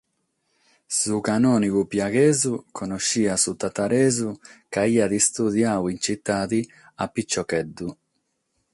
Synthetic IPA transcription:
sukanɔːnikupjaɡɛːzukʰɔnɔʃːiːasut̪ːat̪aɾɛːzukaiːad̪ist̪uðjaːwint͡ʃit̪ːaːt̪i | apːit͡ʃːɔkɛd̪ːu

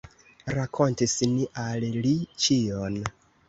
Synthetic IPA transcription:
ɾakʰo̞ntisniʔallit͡ʃion

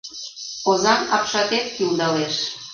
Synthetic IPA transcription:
ozɑnɑpʃɑt̪et̪̚kild̪ɑleʃ

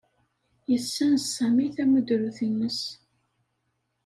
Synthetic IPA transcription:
jəsːænəsːæmiθæməd̪ɾuθinːəs

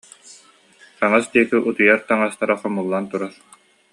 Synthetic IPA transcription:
taŋasd̪iɛkiʔut̪ujaɾt̪aŋast̪aɾaχɔmulˠːant̪uɾaɾ

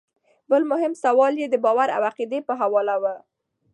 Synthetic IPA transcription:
bəlmʊɦɪmsawɑljed̪əbɑwaɾa̰waqid̪epəɦawɑlawə

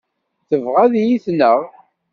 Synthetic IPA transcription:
θəvʁaðjiθnəʁ

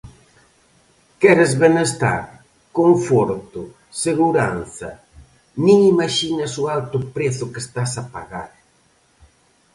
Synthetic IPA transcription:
kɛɾɪzβenest̪a̰ɾ | koɱfɔɾt̪ʊ | seɣuɾanθɐ | nĩŋimaʃinɐsʊalt̪ʊpɾeθʊkest̪asapa̰ɣaɾ

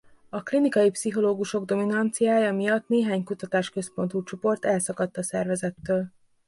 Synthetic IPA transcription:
ɒklinikɒjipsiɦo̞loːɡuʃo̞ɡd̪o̞minɒnt̪sijaːjɒmijɒt̪neːɦaːɲkut̪ɒt̪aːʃkø̞spo̞n̪t̪ut͡ʃo̞po̞rt̪ɛlsɒkɒt̪ːɒsɛrvɛzɛt̪ːøːl

